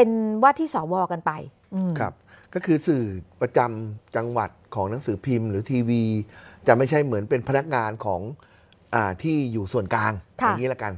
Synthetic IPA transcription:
pe˧nwaː˥˩t̪ʰːiː˥˩sɔː˩˦wɔː˧ka˧npa˧j | ʔɯ˧kʰɾa˦˥˩p̚kɔː˥˩kʰɯː˧sɯː˨˩pɾa˧t͡ɕa˧mt͡ɕa˧ŋwa˨˩t̪̚kʰɔː˩˦ŋna˩˦ŋsɯː˩˦pʰi˧mɾɯː˩˦t̪ʰiː˧wiː˧t͡ɕa˨˩ma˥˩jt͡ɕʰa˦˥˩jmɯ˩˦ənpe˧npʰa˧na˦˥k̚ŋaː˧nkʰɔː˩˦ŋ | ʔaː˨˩t̪ʰiː˥˩juː˨˩su˨˩ənklaː˧ŋkʰa˧˥˩ŋːiː˦˥la˧˥˩ka˧n

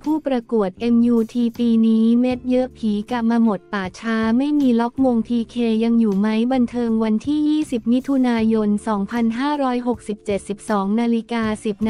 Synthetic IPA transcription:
pʰuː˥˩pɾa˧ku˨˩ət̪̚ʔe˧mjuː˧t̪ʰiː˧piː˧niː˦˥me˦˥t̪̚jɤ˦˥pʰiː˩˦ka˨˩maː˧mo˨˩t̪ːaː˨˩t͡ɕʰaː˦˥ma˥˩jmiː˧lɔ˦˥k̚mo˧ŋt̪ʰiː˧kʰeː˧ja˧ŋjuː˨˩ma˦˥jba˧nt̪ʰɤː˧ŋwa˧nt̪ʰiː˥˩jiː˥˩si˨˩p̚mi˦˥t̪ʰːu˧naː˧jo˧nsɔː˩˦ŋpʰa˧nɦaː˥˩ɾɔː˦˥jɦo˨˩k̚si˨˩p̚t͡ɕe˨˩t̪̚si˨˩p̚sɔː˩˦ŋnaː˧li˦˥kaː˧si˨˩p̚n

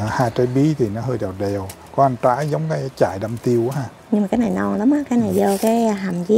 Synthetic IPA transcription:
haː˧˩jt͡ɕə˧jɓi˨˦t̪ʰi˨˩nɔ˨˦ɦəː˧jɗa˨˩t̚ɗɛ˨˩w | kɔ˨˦ʔa˧ŋt̪a̰ː˧˦zə˨˦wŋ͡mkaː˨˦jt͡ɕa̰ː˧˩˨jɗa˧mt̪i˧əwʔaː˨˦aː˧˩ | ɲɨ˧ŋma˨˩kaː˨˦jnaː˨˩jnɔ˧nla˨˦mʔaː˨˦kaː˨˦jna˨˩jzəː˧kaː˨˦jɦa˨˩mzi˨˦

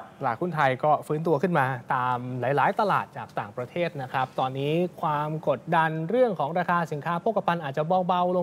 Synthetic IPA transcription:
laː˨˩kʰu˥˩nt̪ʰa˧jkɔː˥˩fɯː˦˥nt̪u˧ɐkʰɯ˥˩nmaː˧t̪aː˧mla˩˦jlaː˩˦jt̪a˧la̰ː˨˩t̪̚t͡ɕaː˨˩k̚t̪aː˨˩ŋpɾa˧t̪ʰeː˥˩t̪̚na˦˥kʰɾa˦˥p̚t̪ɔː˧nːiː˦˥kʰwaː˧mko˨˩t̪̚da˧nɾɯ˥˩əŋkʰɔː˩˦ŋɾaː˧kʰaː˧si˩˦nkʰaː˦˥pʰoː˥˩kːa˧pʰa˧nʔaː˨˩t̪̚t͡ɕa˨˩bɔː˧wba˧wlo˧

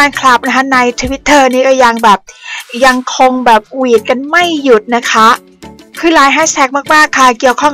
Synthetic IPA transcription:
aː˧nkʰla˨˩p̚na˦˥kʰa˦˥na˧jt̪ʰu˧wi˦˥t̪ʰːɤː˥˩niː˥˩kɔː˥˩ja˧ŋbɛː˨˩p̚ja˧ŋkʰo˧ŋbɛː˨˩p̚wiː˨˩t̪̚ka˧nma˥˩jːu˨˩t̪̚na˦˥kʰa˦˥ʔ | kʰɯː˧˩laː˧jɦaː˥˩sɛː˦˥k̚maː˥˩k̚maː˥˩kʰːa˥˩ki˨˩əwkʰɔ˥˩ŋ

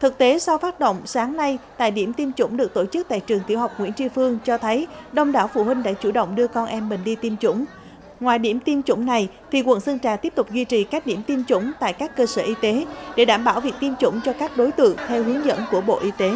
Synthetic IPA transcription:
t̪ʰɨ˨˩k̚t̪e˨˦sa˧wfaː˦˥t̚ɗo̰˧˨wŋ͡msaː˨˦ŋna˧jt̪a̰ː˧˨jɗi˧˩əmt̪i˧mt͡ɕʊ̰˧˥ŋ͡mɗɨ˨˩ək̚t̪o˧˩t͡ɕɨ˦˥k̚t̪a̰ː˧˨jt͡ɕɨ˨˩əŋt̪ʰi˧˩wɦa˨˩wk͡p̚ŋwḭ˧˥ənt͡ɕi˧fɨ˧əŋt͡ɕɔ˧t̪ʰə˨˦jɗə˧wŋ͡mɗaː˧˩wfṵ˧˩hwï˧ŋ̟ɗa̰ː˧˥t͡ɕu˧˩ɗə̰˧˨wŋ͡mɗɨ˧əkɔ˧nʔɛ˧mːï˨˩ŋ̟ɗi˧t̪i˧mt͡ɕʊ̰˧˥ŋ͡m | ŋwaː˨˩jɗi˧˩əmt̪i˧mt͡ɕʊ̰˧˥ŋ͡mna˨˩j | t̪ʰi˨˩kwə̰˧˨nsə˧ŋt͡ɕaː˨˩t̪i˦˥p̚t̪ʊ˨˩k͡p̚zwi˧t͡ɕi˨˩kaː˦˥k̚ɗi˧˩əmt̪i˧mt͡ɕʊ̰˧˥ŋ͡mt̪a̰ː˧˨jkaː˦˥kːəː˧səː˧˩ʔi˧t̪e˨˦ɗe˧˩ɗaː˧˩mɓaː˧˩wvi˨˩ək̚t̪i˧mt͡ɕʊ̰˧˥ŋ͡mt͡ɕɔ˧kaː˦˥k̚ɗo˨˦jt̪ɨ̰˧˨əŋt̪ʰɛ˧wɦi˨˦ŋzə̰˧˥nku˧˩əɓo̰˧˨ʔi˧t̪e˨˦

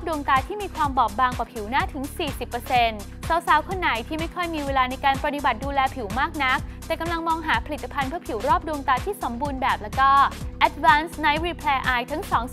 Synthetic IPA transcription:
pdu˧əŋt̪aː˧t̪ʰiː˥˩miː˧kʰwaː˧mbɔː˨˩p̚baː˧ŋkwaː˨˩pʰi˨˩˦wnaː˥˩t̪ʰɯ˩˦ŋsiː˨˩si˨˩pːɤː˧se˧n | sa˨˦wsaː˨˩˦wkʰo˧nːa˩˦jt̪ʰiː˥˩ma˥˩jkʰɔ˥˩jmiː˧weː˧laː˧na˧jkaː˧npɾa˧di˧ba˨˩t̪̚duː˧lɛː˧pʰi˨˩˦wmaː˥˩k̚na˦˥k̚t̪ɛː˨˩ka˧mla˧ŋmɔː˧ŋɦaː˩˦pʰa˧li˨˩t̪ːa˧pʰa˧npʰɯ˥˩pʰi˩˦wɾɔː˥˩p̚du˧əŋt̪aː˧t̪ʰiː˥˩so˩˦mbuː˧nbɛː˨˩p̚lɛː˦˥wkɔː˥˩ʔɛ˦˥t̪̚waː˦˥nsna˧˥jɾi˧pʰlɛː˧ʔaː˧jt̪ʰa˦˥ŋsɔː˩˦ŋ

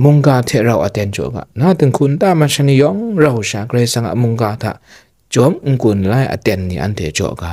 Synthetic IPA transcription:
mu˧˨ŋka˧tʰɛ˨ʔɾa˨wʔa˨tɛ˧˨nt͡ʃɔ̰˨ʔɡa̰˨na˧˨tɯ˨ŋkʰu˨nta˧˨ma˧ʃa˧ni˧˨jɔ˨˦ŋɾa˧˨wʃa˧˨kə˧ɾa˧jsa˧ŋa̰˨mu˧ŋka˧t̪ʰa̰˧˨ʔ | t͡ʃɔ˨˦mŋ̩˨ku˨nla˧˨jʔa̰˨tɛ˧˨nːḭ˨ʔa̰˧˨ntɛ˨t͡ʃɔ̰˨ʔka˨

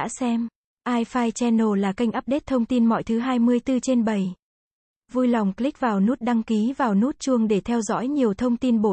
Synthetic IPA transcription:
a̰ː˧˥sɛ˧m | ʔaː˧jfaː˧jt͡ɕɛ˧no˧˩laː˨˩ka˧jŋ̟ʔaː˦˥p̚ɗe˦˥t̚t̪ʰə˧wŋ͡mt̪i˧nmɔ̰˧˨jt̪ʰɨ˨˦ɦaː˧jmɨ˧əjt̪ɨ˧t͡ɕe˧nɓə˨˩j | vu˧jla˨˩wŋ͡mkli˦˥k̚vaː˨˩wnu˦˥t̚ɗa˧ŋki˨˦vaː˨˩wnu˦˥t̚t͡ɕu˧əŋɗe˧˩t̪ʰɛ˧wzɔ̰˧˥jɲi˨˩əwt̪ʰə˧wŋ͡mt̪i˧nɓo˧˩

